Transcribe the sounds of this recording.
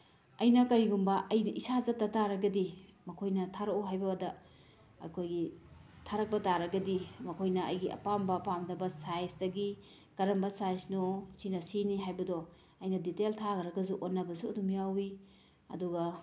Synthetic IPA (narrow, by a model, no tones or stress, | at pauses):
ɐjnɐkɐɾiɡumbɐʔɐjnɐʔisazɐtːɐtaɾɐɡɐdimɐkʰojnɐtʰaɾoɦajbɐwadɐ | ɐ̰kʰojɡitʰaɾɐk̚bɐtaɾɐɡɐdimɐkʰojnɐɐ̰jɡiʔɐ̰pambɐpamdɐbɐsajsdɐɡi | kɐɾɐmbɐsajsnɔsinɐsiniɦajbɐdɔ | ɐjnɐditeltʰaɡɐɾɐɡɐzuʔonːɐbɐsudumjawi | ɐ̰duɡɐ